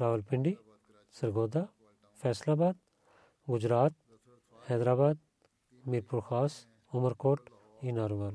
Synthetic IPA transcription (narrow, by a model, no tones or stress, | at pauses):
ɾaːʋəlpɪɳɖi | sɐɾɡoːd̪a | fʰɛːslaːbaːd̪̚ | ɡʊd͡ʒɾaːt̪̚ | hɛːd̪ɾaːbaːd̪̚ | miɾpuɾxʰaːs | ʊməɾkoːʈ | inaːɾuʋaːl